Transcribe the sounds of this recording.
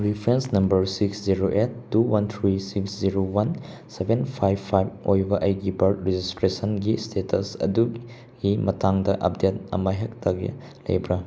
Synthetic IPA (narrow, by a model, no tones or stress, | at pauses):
ɾipʰɾensnɐmbɐɾsiksziɾoʔet̚ːuwant̪ʰɾisiksziɾowansebenpʰajbpʰːajbojbɐʔɐjɡibɐɾtɾed͡ʒistɾesɐnɡistʰetʰɐsɐ̰du | ɡimɐtʰaŋdɐʔɐ̰p̚det̚ɐ̰mɐɦek̚tʰaɡḭ | lɐ̰jbɾa